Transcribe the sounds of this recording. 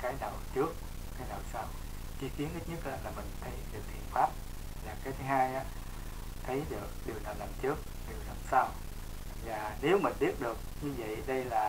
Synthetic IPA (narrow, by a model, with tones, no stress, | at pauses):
kaː˨˦jnaː˨˩wt͡ɕɨ˦˥ək̚ | kaː˨˦jnaː˨˩wsaː˧w | t͡ɕi˨˦ki˨˦ənʔi˦˥t̚ɲə˦˥t̚laː˨˩laː˨˩mï˨˩ŋ̟t̪ʰə˨˦jɗɨ˨˩ək̚t̪ʰḭ˧˨ənfaː˦˥p̚ | laː˨˩kaː˨˦jt̪ʰɨ˨˦ɦaː˧jʔaː˨˦ | t̪ʰə˨˦jɗɨ˨˩ək̚ɗi˨˩əwnaː˨˩wlaː˨˩mt͡ɕɨ˦˥ək̚ | ɗi˨˩əwlaː˨˩msaː˧w | vaː˨˩ne˨˦wmï˨˩nɓi˦˥ət̚ɗɨ˨˩ək̚ɲɨ˧və̰˧˨jʔɗə˧jlaː˨˩